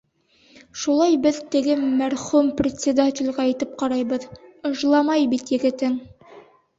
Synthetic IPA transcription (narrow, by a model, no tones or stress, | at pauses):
ʃulˠɑjbɘðt̪ɘ̆ɡɘmæɾχumprʲɪt̪ʲsʲɪd̪atʲɪlʲʁæːjt̪ɘp̚qɑɾɑjbɤðɤ̆ʃlˠɑmɑjbit̪jɘ̆ɡɘ̆t̪ɘŋ